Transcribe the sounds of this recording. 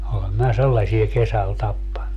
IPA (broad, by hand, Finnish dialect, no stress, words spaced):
olem minæ selːɑsie kesæl tɑpːɑnːu